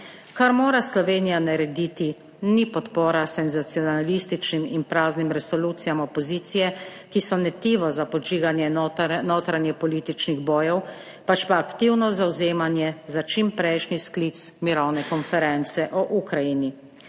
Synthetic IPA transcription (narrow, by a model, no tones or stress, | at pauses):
kaɾmoːɾaslɔʋeːnijanaɾɛd̪it̪i | nipɔt̪poːɾasɛnzat̪sijɔnalist̪it͡ʃniminpɾaːznimɾɛsɔluːt̪sijamɔpɔziːt̪sijɛ | kisɔnɛt̪iːʋɔzapɔd͡ʒiːɡanjɛnoːt̪ɾanjɛpɔliːt̪it͡ʃniɣbɔːjɛw | pat͡ʃpaːkt̪iwnɔzawzeːmanjɛzat͡ʃimpɾɛjʃnisklit̪smiɾɔwnɛkɔnfɛɾɛnt̪sɛʔɔʔukɾajini